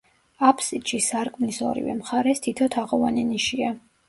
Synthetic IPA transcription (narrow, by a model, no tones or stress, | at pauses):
apʰsit̪ʃisaɾkʼmnisɔ̰ɾḭvɛ̰mχaɾɛst̪ʰit̪ʰɔt̪ʰaʁɔvanɛniʃia